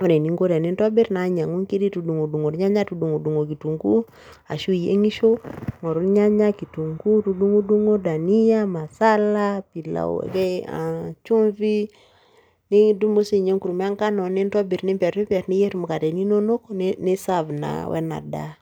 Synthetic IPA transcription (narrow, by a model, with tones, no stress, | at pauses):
o˦ɾe˨ni˦ŋɡo˦ɾɛ˨ni˦ntɔ˦bi˦ɾna˦ɲa˨ŋu˦ŋki˦di˦tu˨du˨ŋo˨du˨ŋo˨ɾɲa˦ɲa˦tu˨du˨ŋu˨du˨ŋo˨ki˨tu˨ŋɡu˦ | a˨ʃu˦je˦ŋi˦ʃo˦ŋo˨ɾu˦ɲa˦ɲa˦ki˨tu˨ŋɡu˦tu˨du˦ŋu˦du˦ŋo˦da˨ni˦ja˦ma˨sa˦la˦pi˨la̰˨kɛ˦a̰˨t͡ʃu˦ɱvi˦ | ni˦du˦mo˦si˦˨ɲe˦ŋku˨ɾu˨m˦a˦ŋka˦no˨ni˦ntɔ˦bi˨ɾni˦mpɛ˨ɾni˦pɛ˨ɾni˦je˦ɾmu˨ka˨tɛ˨ni˦no˦no˦konni˦sa˦vna̰˨wɛ̰˦na̰˨da̰˨